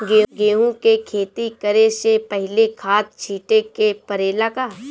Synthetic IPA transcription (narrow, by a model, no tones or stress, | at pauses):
ɡeːɡeːɦũkekʰeːt̪ikəɾesepəɦɪlekʰaːt̪̚t͡ʃʰiːʈekepəɾeːlakaː